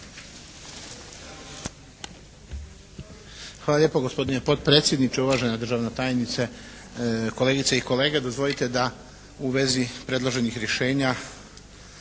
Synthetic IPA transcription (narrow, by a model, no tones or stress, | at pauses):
xʋaːlaʎe̞poɡospo̞d̪ine̞po̞d̪̚pɾe̞ːt̪sʲje̞d̪nit͡ʃeuʋaːʒenad̪r̩ʒaːʋnat̪aːjnit̪se | ko̞leɡit̪seiko̞le̞ːɡed̪o̞zvʋo̞lit̪e̞d̪a | uʋe̞zipɾe̞d̪lˠoʒe̞nixɾje̞ʃe̞ːɲa